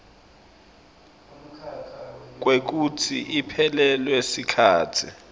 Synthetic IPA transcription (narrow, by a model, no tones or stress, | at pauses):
k̬wek̬utʰḭʔipʰɛlɛlwesikʰaːtʰi